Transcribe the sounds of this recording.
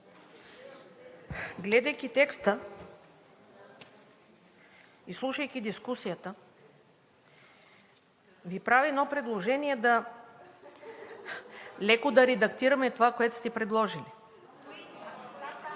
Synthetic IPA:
ɡlɛd̪ajkʲit̪ɛkst̪ə | islˠuʃɐjkʲid̪iskusijat̪ə | vipɾaviɛnɔpɾɛd̪lˠoʒɛnijɛd̪a | lɛkod̪aɾɛd̪akt̪iɾɐmɛt̪ovakoɛt̪o̥st̪ɛpɾɛd̪lˠɔʒili

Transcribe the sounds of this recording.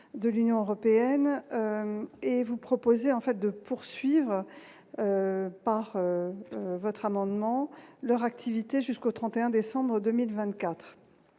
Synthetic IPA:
d̪əlynjɔ̃øʁɔpeɛnøevupχɔpozeɑ̃fɛt̪̚d̪əpʰuʁsɥivʁ | øpaʁø | vɔt̪χamɑ̃d̪mɑ̃lœʁak̚t̪ʰivit̪eʒyskot̪χɑ̃t̪eɛ̃d̪esɑ̃bʁəd̪ømilvɛ̃t̪̚kʲat̪χ

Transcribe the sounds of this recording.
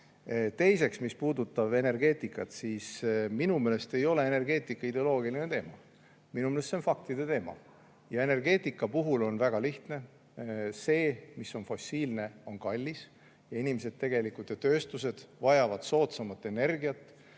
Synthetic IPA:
t̪e̞jse̞ksmispuːd̪ut̪ːˑɑb̥e̞ne̞rɡ̥e̞ːt̪ˑikːˑɑt̪sisminumeːle̞st̪e̞jo̞le̞ene̞rɡ̥e̞ːt̪ˑikːˑɑid̪eo̞lo̞ːɡilinet̪e̞ːmɑ̰ | minumelest̪senfɑk̚t̪id̪̥e̞t̪e̞ːmɑ̰ | jɑe̞ne̞rɡe̞ːt̪ˑikːˑɑpuɦulo̞nvæɡ̥ɑliht̪ne̞ | se̞ːmiso̞nfo̞siːlne̞o̞nkɑlʲːis | jɑinʲimese̞d̪̥t̪ːe̞ɡ̥e̞likˑut̪ːˑet̪ø̞ːst̪use̞d̪̥vɑjɑvɑd̪̥so̞ːt̪sɑmɑt̪ːˑe̞ne̞rɡiɑt̪ːˑ

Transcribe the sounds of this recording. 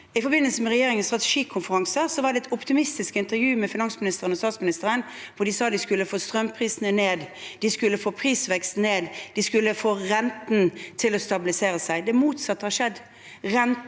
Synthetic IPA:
ɪfɔɾbɪnəlsəmɛʁɛjeːɾɪŋənst̪ʁɑt̪ɛ̥ʂiːkʰʊnfəɾɑŋsəsɔʋɑɖ̪ɛɛt̪ʰʊpt̪ɪmɪst̪ɪskɪnt̪əɾjʉːmɛfɪnɑŋsmɪnɪst̪əʁənɔst̪ɑːt̪smɪnɪst̪əɾən | ʋʊɖ̪ɪsɑːd̪ɪskʉlːəfoːst̪ʁœmpʰʁiːsənəneːd̪d̪̥ɪskʉlːəfoːpʰʁiːsʋɛkst̪neːd̪d̪ɪskʉlːəfoːʁɛnt̪nt̪ʰɪlɔst̪ɑbɪlɪseːɾəsæɪd̪ɛmuːt̪sɑt̪ːəhɑʂɛd̪ | ʁɛn

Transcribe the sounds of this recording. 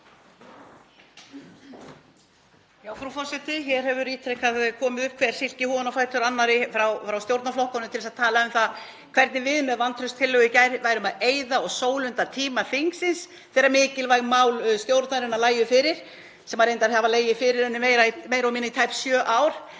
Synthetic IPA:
jaːwfɾafɔr̥sɛt̪ɪçɛɾ̥hɛvʏɾiːt̪ʰɾɛkaðkʰɔːmɪðʏhp̚ːkʰvɛɾ̥sɪl̥cɪhɔnafajt̪ʏɾanːaɾɪfɾawfɾawst̪jowɾt̪naɾflɔhkɔnʏmt̪ʰɪlsaðt̪ʰaːlaʏmθað | kʰv̥ɛɾt̪nɪvɪðmɛðvant̪ʰɾœst̪ʰɪlœɣʏcajɾvaːjɾʏmaðeːjðaɔɣsoːwlʏnt̪at̪ʰiːmafɪŋksɪns | θɛːɾamɪːcɪlvajɣmaːwlst̪jowɾt̪naɾɪnalaːjʏfɪːɾɪɾ̥ | sɛmaðɾejnt̪aɾhavaleːjɪfɪɾɪɾɛnːʏmejɾameːjɾamiːnait̪ʰajpsjœːʔawɾ̥

